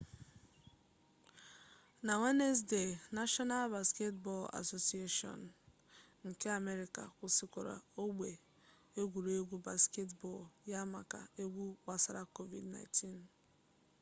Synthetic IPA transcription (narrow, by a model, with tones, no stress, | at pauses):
na˨ŋe˦ne˦s̬de˨na˦ʃɔ˦na˦lba˨ske˦tbɔ˦˨la̰˨so˨si˦e˦ʃɔ̰˨n˨ | ŋ̩˨ke˦a˨me˦ɾi˨ka̰˨kʷʊ˨sɪ˨kɔ˨ɾa̰˨o˦ɡ͡bʷe˨ | e˦ɡʷu˨ɾe˦ɡʷu˦ba˨ske˦tbɔ˦˨lja˦ma˨ka̰˨e˦ɡʷu˦k͡pa˨sa˨ɾa˦˨ko˦vḭ˨dna̰˨˦tʰi˦n